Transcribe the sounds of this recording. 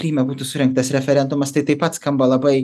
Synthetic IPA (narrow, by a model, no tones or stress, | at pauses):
kɾʲiːmʲɛbuːt̪ʊsʊɾʲɛŋk̚t̪ɐsɾʲɛfʲɛɾʲɛnd̪ʊmɐst̪ɐɪt̪ɐɪpɐt̪skɐmbɐlˠɐbɐɪ